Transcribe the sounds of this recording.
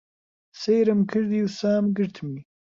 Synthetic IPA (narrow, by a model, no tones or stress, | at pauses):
sejɾəmkʰɨɾd̪iwsaːmɡɨɾt̪ʰmi